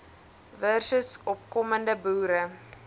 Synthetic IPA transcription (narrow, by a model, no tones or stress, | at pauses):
vɛrsəsɔpkɔməndəbuːɾə